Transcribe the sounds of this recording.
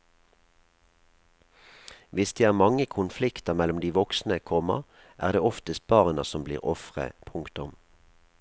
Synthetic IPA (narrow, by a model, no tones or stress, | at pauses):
ʋɪsd̪eːæːʁmɑŋəkʰʊnflɪkt̪əʁmɛlʊmd̪iːʋɔksn̩əkʰɔmɑ̰ | ʔæːʁd̪eːɔft̪əs̚bɑːʁnəsɔmblḭːʁɔfʁə̰pʰʊŋkt̪ʊm